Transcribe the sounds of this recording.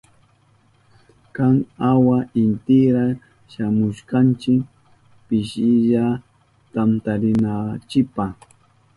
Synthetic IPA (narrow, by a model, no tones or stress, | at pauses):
kaŋawaʔɪnt̪ɪɾa | ʃamʊʃkant͡ʃɪk | pɪʃɪʎa | t̪amt̪aɾɪnat͡ʃɪpaχ